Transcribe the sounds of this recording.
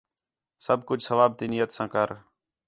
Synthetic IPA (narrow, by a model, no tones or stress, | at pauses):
səbkʊd͡ʒʱsəʋaːb̚t̪iːnɪjət̪sãːkəɾ